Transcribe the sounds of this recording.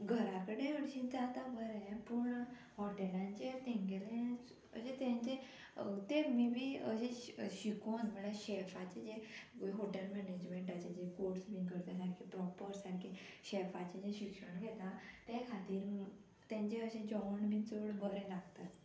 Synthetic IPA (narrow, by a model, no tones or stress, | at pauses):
ɡʱəɾakəɽeəɽɕĩd͡zat̪abʱəɾɛpuɳ | hɔʈelãɲt͡ɕet̪ẽŋɡelẽ | ə̰ɕẽt̪ãɲt͡ɕẽ | t̪emibʱiːə̰ɕẽɕikonm̤əɭaɕefat͡ɕed͡ʑekoiɦoʈəlmɛned͡ʑmeɳʈat͡ɕed͡ʑekoɾsbĩkəɾt̪ẽsaɾkʰepɾɔpəɾsaɾkʰeɕefat͡ɕed͡ʑeɕikʂəɳ̃ɡʱɛt̪at̪ẽkʰat̪iːɾ | t̪jãɲt͡ɕeəɕẽd͡ʑɔʋɳbit͡soɽbəɾɛ̃laɡt̪at̪